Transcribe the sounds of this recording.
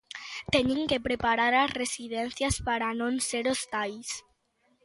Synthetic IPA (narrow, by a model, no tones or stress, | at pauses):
t̪ɛɲĩŋkepɾepaɾaɾasresiðɛn̟θjaspaɾanõnseɾost̪ajs